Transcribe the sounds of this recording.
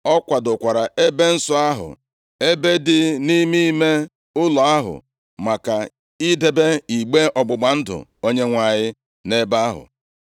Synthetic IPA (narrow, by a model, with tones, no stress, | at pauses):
ɔ˦kʷa˨dʊ˨kʷa˨ɾa˨e˦be˦n̩˦sʊ˦a˦ɦʊ̰˨ | e˦be˦dɪ˦ni˦mi˦me˦ | ʊ˦lɔ˨a˦ɦʊ̰˨ | ma˨ka˨ | i˦de˨be˦i˨ɡ͡be˦ɔ˨ɡ͡bʊ˨ɡ͡ba˨n̩˦dʊ̰˨o˦ɲe˦ŋʷa˨ɲɪ˦ | ne˦ba˦a˦ɦʊ̰˨